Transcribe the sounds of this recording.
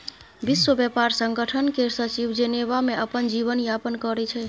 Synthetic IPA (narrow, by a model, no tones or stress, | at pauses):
biswəbjəpaɾsəŋɡəʈʰənkesət͡ʃibd͡ʒenebameəpənd͡ʒiβənjapənkəɾɛt͡ʃʰɛ